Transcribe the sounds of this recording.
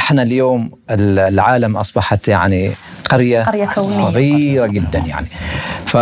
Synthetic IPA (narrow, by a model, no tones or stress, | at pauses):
ɪħnaljoːm | ɪllʕaːlamʔɑsˤbɑħat̪ja̰ʕniqaɾjaaasˤɑɣiːɾaɡɪd̪ːanja̰ʕnifa